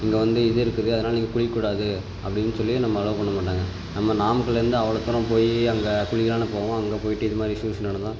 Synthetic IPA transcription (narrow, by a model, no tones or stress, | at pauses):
ɪŋɡɐʋɐnd̪ɯɪðɯɪɾɯkːɯðɯɐðɐnaːlɐniːŋɡɐkʊɭɪkːuːɽaːðɯ | ɐpːɽɪnːɯsɔlːɪj̃nɐmːɐːɻɐʋɐpɐɳːɐmaːʈːaːŋɡɐ | nɐmːɐnaːmkːɐɭɪɾɯnd̪ɯɐʋɐɭɐt̪ːɯɾɐ̃p̬oːjiɐŋɡɐkʊɻɪɣɐlaːnɯpoːɐʋõɐŋɡɐpoːjɪʈːɯɪðɯmaːd̪ɾiʂjuːsɐnːaːɽɐt̪ãː